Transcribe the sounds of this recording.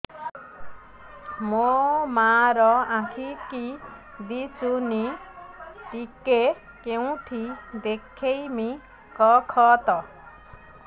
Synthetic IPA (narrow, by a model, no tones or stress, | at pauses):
momaɾɔãkʰiki | d̪it͡ʃuni | pike | keũʈ̪ʰid̪ekʰejmi | kɔkʰɔt̪ɔ